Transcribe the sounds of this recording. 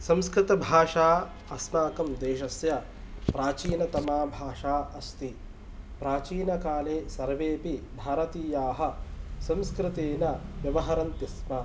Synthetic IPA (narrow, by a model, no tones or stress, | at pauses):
sɐmskɾɪt̪ɐbʱaːʂaː | ɐsnaːkɐmd̪eːʃɐsjɐ | pɾaːt͡ʃiːnɐt̪ɐmaːbʱaːʂaːɐst̪i | pɾaːt͡ʃiːnɐkaːleːsɐɾʋeːpibʱaːɾɐt̪iːjaːɦɐ̆sɐmskɾɪt̪eːnɐʋjɐʋɐɦɐɾɐnt̪ismɐ